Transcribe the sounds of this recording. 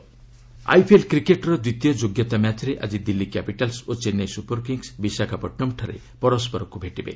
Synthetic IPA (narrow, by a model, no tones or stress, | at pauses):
a̰jpʰielkɾikeʈɔɾɔd̪wit̪ijɔd͡ʒoɡjɔt̪amjad̪ʱjɔɾeʔad͡ʒid̪ilːikapiʈalsot͡ʃenːejsupɔɾkiŋsbisakʰapɔʈːɔmʈʰɔɾḛ | pɔɾɔspɔɾɔkubʱeʈibḛ